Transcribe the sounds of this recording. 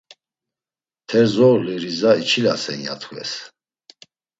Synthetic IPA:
t̪ʰɛɾzɔliɾizait͡ʃʰilasɛ̰nja̰t̪ʰkʰvɛ̰s

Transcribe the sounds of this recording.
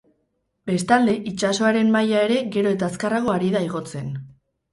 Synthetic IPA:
be̞st̪ald̪e̞ʔit͡ʃaso̞aɾe̞mːajae̞ɾe̞ɣe̞ɾo̞e̞t̪askaraɣo̞aɾiðaiɣ̞o̞t͡se̞n

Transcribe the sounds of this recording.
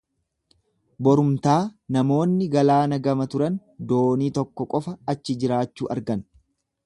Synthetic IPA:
bɔɾʊmt̪aːnɐmo̞ːnːɪɡɐlaːnɐɡɐmɐt̪ʊɾɐn | d̪oːniːt̪ɔkːɔkʼɔfɐɐt͡ʃːɪd͡ʒɪɾaːt͡ʃːuːʔɐɾɡɐn

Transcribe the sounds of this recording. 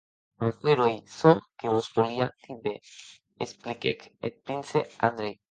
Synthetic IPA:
okweɾojsõŋkeβospoɾiat̪ʰibe | esplikḛkḛt̪̚pɾinsea̰nd̪ɾej

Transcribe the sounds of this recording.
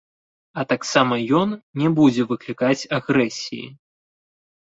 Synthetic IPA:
ɐt̪aksamɐjɔnnʲɛbud͡zʲɛvɨklʲikat͡sʲaɣɾɛsʲḭjḭ

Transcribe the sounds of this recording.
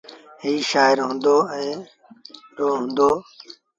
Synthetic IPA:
ɦiːʃaːɪɾɦʊ̃ːnd̪oːɛ̃ː | ɖoːɦʊ̃ːnd̪oː

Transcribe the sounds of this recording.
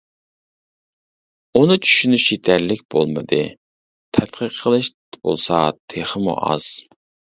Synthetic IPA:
unɨt͡ʃʰy̥ʃynyʃit̪ʰæɾlɪkʲb̥o̰lˠmɨd̪ɨ̰ | t̪ʰɛt̪qʰəqʰːəlˠɨʃ | bo̰lˠsɑt̪ʰeχəmṵʔɑ̰z̥

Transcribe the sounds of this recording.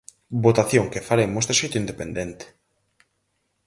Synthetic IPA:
bot̪aθjõŋkefaɾemost̪eʃejt̪ʊind̪epend̪ent̪e̥

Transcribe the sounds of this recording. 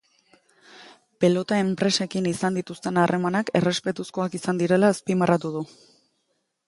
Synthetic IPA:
pe̞lo̞t̪ae̞mpɾe̞se̞kinisand̪it̪ust̪e̞narʔe̞manake̞re̞spe̞t̪usko̞akisand̪iɾe̞laːspimarat̪uð̞u

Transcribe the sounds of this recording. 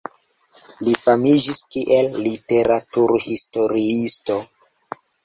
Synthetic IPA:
lifamid͡ʒiskiʔelːiteɾatuɾhisto̞ɾiisto̞

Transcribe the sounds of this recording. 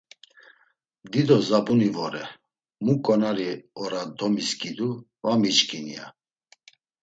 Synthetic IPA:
d̪id̪ɔzabunivɔɾɛ | mukʼɔnaɾiɔɾad̪ɔmiskid̪u | vamit͡ʃkʰʼinia̰

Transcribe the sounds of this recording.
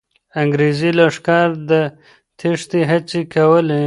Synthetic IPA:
aŋɡɾezilaʂkɑɾd̪ə | t̪ʰiʂt̪iɦat͡sikawəle

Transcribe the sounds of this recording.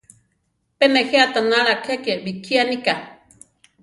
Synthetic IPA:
peneheat̪analakʰeakebikʰianika

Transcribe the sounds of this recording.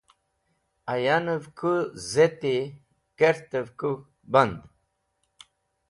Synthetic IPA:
ajanəvkʰuzet̪e | keɾt̪əvku | band̪

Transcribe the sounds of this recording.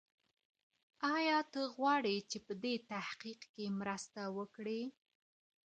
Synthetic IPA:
ɑjɑt̪əɣwɑɽet͡ʃepəd̪et̪ahqiqkemɾəst̪awəkɽe

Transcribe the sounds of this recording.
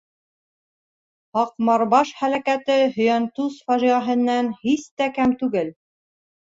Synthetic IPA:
hɑqmɑɾbɑʃχælækæt̪ɘɦɵ̆jænt̪usfɑʒiʁɑɦɘ̆nːænhist̪ækæmt̪ʉɡɘl

